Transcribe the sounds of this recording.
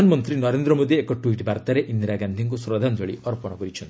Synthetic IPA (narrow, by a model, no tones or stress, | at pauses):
anɔmɔnt̪ɾinɔɾend̪ɾɔmod̪iekɔʈwiʈbaɾt̪aɾeʔind̪ɾaɡand̪ʱiŋk̬usɾɔd̪ʱand͡ʒɔɭḭɔɾpɔɽ̃ɔkɔɾit͡ʃʰɔnt̪i